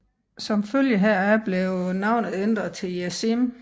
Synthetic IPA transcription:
sɒ̽mføljəɦæɐ̰æb̥leʊnɑ̈ʊ̰nð̩ˠend̥ʁɐt͡sʰe̝ljæsim

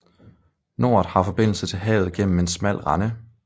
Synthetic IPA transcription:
no̝ːɐð̩ˠhɑ̈fɒ̽b̥e̝n̰l̩sət͡sʰe̝lɦɛ̰ːʊð̞̩ˠɡ̥en̰m̩e̝nsmæl̰ʁɑ̈nə

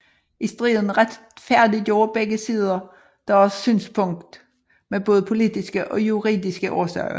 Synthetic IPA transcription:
isd̥ʁḭːðˠn̩ʁad̥ | fæɐ̰d̥id̥jo̝ːɐb̥eɡ̥əsiːð̞ˠɐ | d̥ɑɒɑssy̰ːnspʰɔ̽ŋ̰̥d̥ | meb̥ɔːðˠəpʰo̝lid̥isɡ̥əʔɒ̽juʁḭːðˠisɡ̥əʔɒːsœɐʊ

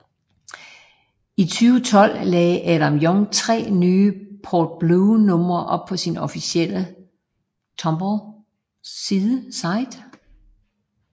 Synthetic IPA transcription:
it͡sʰyːʊət͡sʰɒ̽l̰lɛːʔæd̥æmjɔ̽ŋt͡sʰʁɛ̰ːnyːpʰɒːd̥̚b̥luʊnɔ̽m̰ɐʔɒ̽b̥̚pʰɒ̽sinɒ̽fisiel̰ə | t͡sʰɒ̽mb̥ɒ | siːðˠəsɑ̈ɪ̰d̥

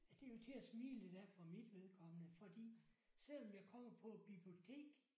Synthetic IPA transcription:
d̥e̝jo̝t͡sʰe̝æsmḭːləd̥æɐfɒmid̥ʋe̝ð̞ˠkʰɒ̽m̰ənəfɒ̽d̥ḭːsel̰ɒ̽mjɑ̈ɪkʰɒ̽m̰ɐpʰɒ̽b̥ib̥lio̝t͡sʰe̝̰ːɡ̥

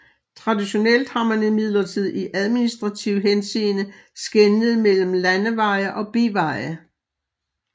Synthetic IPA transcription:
t͡sʰʁɑ̈diɕo̝nel̰d̥hɑ̈mænimið̞̰ˠlɐt͡sʰið̞̰ˠiʔæð̞ˠminisd̥ʁɑ̈t͡sʰiʊɦensiːnəsɡ̥enəð̞̩ˠmel̰m̩lænəʋɑ̈ɪɐʔɒ̽b̥eʋɑ̈ɪɐ

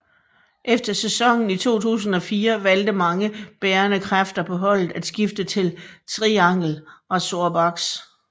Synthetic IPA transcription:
ʔefd̥ɐsesɒ̽ŋ̰n̩it͡sʰo̝̰ːt͡sʰṵːs̬n̩ɒ̽fiːɐʋæld̥əmɑ̈ŋəb̥eːɐnəkʰʁafd̥ɐpʰɒ̽ɦɒ̽l̰ð̩ˠæd̥sɡ̥ifd̥ət͡sʰe̝lt͡sʰʁiɑ̈ŋ̰l̩ɒ̽so̝ɐ̰b̥ɑ̈ɡ̥s

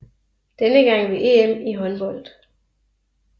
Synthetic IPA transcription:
d̥enəɡ̥ɑ̈ŋ̰ʋeʔeːemiɦɒ̽nb̥ɒ̽l̰d̥

